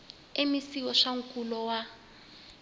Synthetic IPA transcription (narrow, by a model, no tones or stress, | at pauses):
emisikɔʂaŋ̩kʼulɔwa